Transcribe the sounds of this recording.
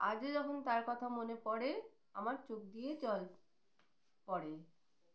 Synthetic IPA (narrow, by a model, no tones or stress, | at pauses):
ad͡ʑd͡ʑɔkʰont̪aɾkɔt̪ʰamonepɔɽe | amaɾt͡ɕok̚d̪ijet͡ɕɔl | pɔɽe